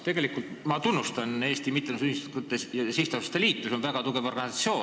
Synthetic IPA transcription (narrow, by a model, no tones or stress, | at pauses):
t̪e̞ɡ̥elikːult̪mɑt̪unːust̪ɑne̞ːst̪imit̪ːˑenusynist̪k̪ut̪ːˑejɑsiht̪ɑsɑst̪eliːt̪ːˑuso̞nvæɡ̥ɑt̪uɡ̥e̞vo̞rɡ̥ɑnisɑt̪sio̞ː